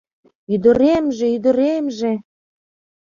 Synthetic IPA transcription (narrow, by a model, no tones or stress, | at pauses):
yd̪ə̆ɾemʒĕyd̪ə̆ɾemʒe